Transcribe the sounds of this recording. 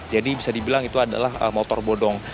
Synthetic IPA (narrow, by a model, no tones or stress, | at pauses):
d͡ʒadibisadibilaŋit̪uada̰lahə̰mot̪ɔrbodɔŋ